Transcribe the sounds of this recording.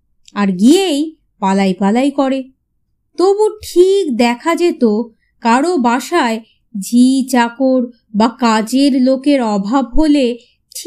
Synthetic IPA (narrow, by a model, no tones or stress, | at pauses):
aɾɡiej | palajpalajkɔɾe | t̪obuʈʰikd̪ɛkʰad͡ʑet̪o | kaɽobaʃae | d͡ʑit͡ɕakoɾ | bakad͡ʑeɾlokeɾɔbʱabɦole | ʈʰ